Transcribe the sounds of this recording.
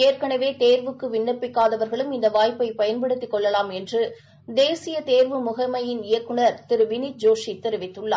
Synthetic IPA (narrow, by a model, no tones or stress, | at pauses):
eːrkɐɳɐʋeːt̪eːɾʋɯkːɯʋɪɳːɐpːɪkːaːðɐʋɐɾɣɐɭɯmɪnd̪ɐʋaːjpːɐɪpɐjɐnpɐɽɯt̪ːɪkːɔɭːɐlaːmɛndrɯ | d̪eːsɪjɐt̪eːɾʋɯmʊɣɐmɐjɪnɪjɐkːɯɳɐɾt̪ɪɾɯʋɪnit̪̚d͡ʒoːʂit̪ːɛɾɯʋɪt̪ːɯɭːa̰ː